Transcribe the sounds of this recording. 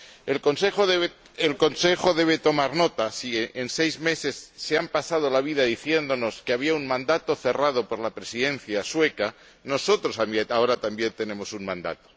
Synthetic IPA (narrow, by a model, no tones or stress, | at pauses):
elkonsexoðeβ | elko̞nse̞xo̞ðe̞β̞e̞t̪o̞maɾno̞t̪asiense̞jzme̞se̞sːeampasað̞o̞laβ̞iðaðiθje̞nd̪o̞no̞skeaβ̞iauŋmãnd̪at̪o̞θe̞rað̞o̞po̞ɾlapɾe̞siðe̞n̟θjaswe̞ka | no̞so̞t̪ɾo̞sameao̞ɾat̪ambje̞nt̪ene̞mo̞suŋmãnd̪a̰t̪o̥